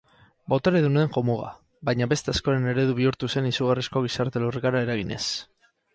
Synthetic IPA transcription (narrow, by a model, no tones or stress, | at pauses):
bot̪aɾeðuneeŋʝo̞muɣa̰ | bajɲaβe̞st̪e̞asko̞ɾe̞ne̞ɾe̞ðuβ̞iuɾt̪use̞nisuɣ̞arisko̞ɣ̞isaɾt̪e̞lorikaɾae̞ɾaɣ̞ine̞̰s